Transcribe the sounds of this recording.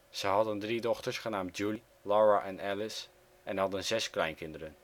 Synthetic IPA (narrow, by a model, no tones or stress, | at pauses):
z̥əjɦɑdəndridɔχtəɹsχənaːmt̚d͡ʒuli | lɑːɹaʔɛnɛlɪs | ʔɛnɦɑdənzɛsklɛjnkɪndəɾən